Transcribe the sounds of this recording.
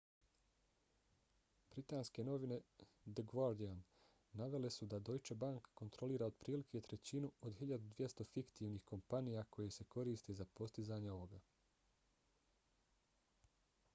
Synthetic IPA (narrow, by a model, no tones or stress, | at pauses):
b̥ɾit̪aːnske̞no̞ʋine̞ | d̪eɡʋaɾd̪ianː | aʋe̞le̞sud̪ad̪o̞jt͡ʃebaŋkkːo̞nt̪ɾo̞liːɾaod̪pɾiːlikʰet̪ɾe̞t͡ɕinuo̞d̪hiʎad̪ud̪ʋje̞st̪o̞fikt̪iːʋniːhko̞mpanijakʰo̞jese̞ko̞ɾiːst̪ezapo̞st̪izaːɲeo̞ʋo̞ɡa